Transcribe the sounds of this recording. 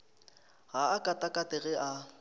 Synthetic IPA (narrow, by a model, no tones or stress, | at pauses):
ɣaːkʼatʼakʼatʼɪɣɛʔa